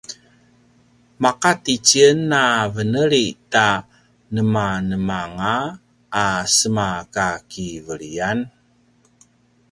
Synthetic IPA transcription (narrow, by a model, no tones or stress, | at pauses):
maqatit͡ɕiənːavənəɾita | nəmanəmaŋaː | səmakakivəɭian